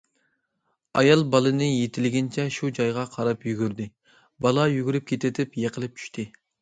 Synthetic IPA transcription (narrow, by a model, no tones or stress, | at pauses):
ɑjɑlˠbɑlˠɨnɨjet̪ʰɪlɡʲɪnt͡ʃʰɛʃud͡ʒɑjʁɑqʰɑɾɑpjyɡʲyɾd̪ɪ | bɑlˠɑjyɡʲyɾyp̚kʲʰet̪ʰɪt̪ʰɪpjeqəlˠɪp̚t͡ʃʰy̥ʃt̪ʰɪ